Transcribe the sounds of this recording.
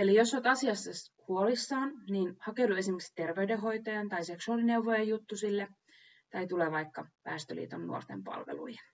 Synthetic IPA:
elijosːot̪ɑsiɑsːɑshuolisːɑːnniːnhɑkeudue̞simeksi̥t̪erʋeydeɦojt̪ɑjɑnt̪ɑiseksuɑːlineuʋojejut̪ːusilːe | t̪ɑjt̪uleːʋɑjkːɑpæ̰ːst̪ø̰lḭːt̪onːṵort̪empɑ̰lʋḛlṵjɑ

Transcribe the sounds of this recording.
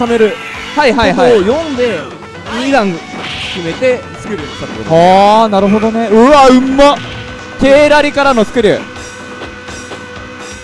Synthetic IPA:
same̞ɾɯ̟ | haiɦaiɦajõ̞nd̪e̞ | id̪ãŋ | kʲime̞t̪e̞ | sɨ̥kɯ̟ɾisaɾoaːnaɾɯ̟ɦo̞d̪o̞ne̞ɯ̟aɯ̟mːa | ke̞ːɾaɾʲikaɾanosɨ̥kɯ̟ɾʲḭ

